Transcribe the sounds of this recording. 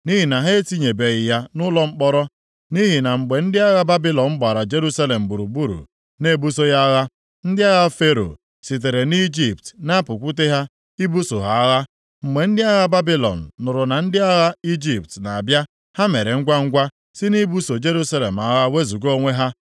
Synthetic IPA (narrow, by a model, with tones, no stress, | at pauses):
ni˦ɦi˨na˨ɦe˦ti˦ɲe˨be˨ɣɪ˨ja˦nʊ˦lɔ˦ŋ͡m̩˦k͡pɔ˦ɾɔ˦ | ni˦ɦi˨na˨ŋ͡m̩˨ɡ͡be˨n̩˦dɪ˦a˦ɣa˦ba˦bi˦lɔ˨nŋ͡m̩˦ɡ͡ba˨ɾa˨d͡ʒe˦ɾu˦sa˦le˨m̩˨bu˨ɾu˨bu˦ɾṵ˨ | ne˦bu˦so˦ja˦ɣa˦ | n̩˦dɪ˦a˦ɣa˦fe˦ɾo̰˨ | si˨t̬e˨ɾe˨ni˦d͡ʒi˨p̚tna˦pʊ˨kʷu˦t̬e˦ɦa˦ | i˦bu˦so˨ɦa˨˦ɣa˦ | ŋ͡m̩˨ɡ͡be˨n̩˦dɪ˦a˦ɣa˦ba˦bi˦lɔ̰˨n̩ː˨ʊ˨ɾʊ˨na˨n̩˦dɪ˦a˦ɣa˦i˦d͡ʒi˨p̚tna˨a˨bja˦ | ha˦me˨ɾe˨ŋ̩˦ɡʷa˦ŋ̩˦ɡʷa˦ | sɪ˦ni˦bu˦so˨d͡ʒe˦ɾu˦sa˦le˨m̩˨a˦ɣa˦we˦zu˨ɡo˦ŋʷe˦ɦa˦